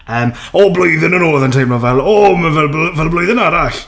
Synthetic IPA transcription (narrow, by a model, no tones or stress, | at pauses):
əːm | ɔblojðɪnənɔːðəntʰejmlɔvɛlˠɔməvɛlˠbvɛlˠblojðənaɾaɬ